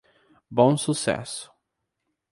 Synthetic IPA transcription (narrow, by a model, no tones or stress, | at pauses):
bõw̃susɛ̰sʊ̥